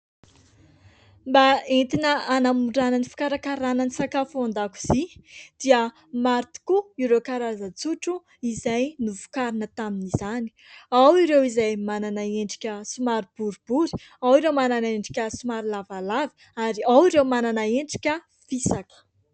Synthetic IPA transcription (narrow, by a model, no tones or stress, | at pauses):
mbaent̪inəanamuɳɖ͡ʐananifi̥kaɾakaɾanənisakafuand̪aku̥z̥id̪̥iə | maɾt̪i̥kuiɾewkaɾazət͡suʈ͡ʂu | izajnuvu̥kaɾinət̪aminizani̥awiɾewizajmananaeɳɖ͡ʐi̥kʲəsumaɾib̥uɾub̥uɾi | awiɾewmananaeɳɖ͡ʐi̥kʲəsumaɾilavalavi̥ | aɾiawiɾewmananaeɳɖ͡ʐi̥kʲə | fisakə̥